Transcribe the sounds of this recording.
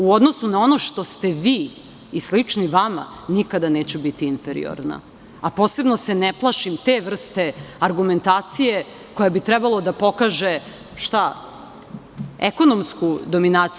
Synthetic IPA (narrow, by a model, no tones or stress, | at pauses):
uo̞d̪no̞sunao̞no̞ʃt̪o̞st̪e̞ʋiː | slit͡ʂniʋama̰nikad̪ane̞ːt͡ɕubit̪iinfeɾḭo̰ɾna̰ | apo̞ːse̞bno̞seneplˠaʃimt̪eʋr̩st̪e̞aɾɡume̞nt̪aːt̪sije̞ | ko̞jabit̪ɾɛbalˠod̪apo̞kaːʒe̞ | ʃt̪a | ḛko̞no̞mskud̪o̞minaːt̪s